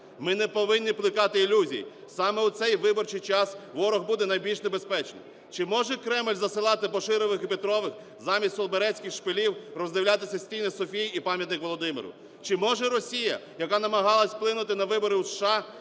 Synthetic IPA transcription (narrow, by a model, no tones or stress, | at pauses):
mɪnɛpɔʋɪnʲːiplˠɪkɑt̪ɪːlʲuzʲḭjḭ | sɑmɛut̪sɛjʋɪbɔrt͡ʃɪjt͡ʃɑsʋɔɾɔɣbud̪ɛnɐjbʲilʲʃnebespɛt͡ʃnɔ̰ | t͡ʃɪmɔʒɛkɾɛmlʲzɐsɪlˠɑt̪ɪpɔʃɪɾɪʋɪxipet̪ɾɔʋɪx | zɑmʲisʲt̪ːɔlˠbeɾɛt͡sʲkʲɪxʃpelʲiwrɔzd̪ɪʋwlʲat̪ɪsʲɐsʲtʲijnɛsɔfʲijipɑmʲjɐt̪nɪkʋɔlˠɔd̪ɪmɪ̰ɾʊ̰ | t͡ʃɪmɔʒɛɾɔsʲijɐ̰jɐkɑnɐmɐɦɑlˠɐsʲplˠɪnʊt̪ɪnɐʋɪbɔɾɪwsʃɑ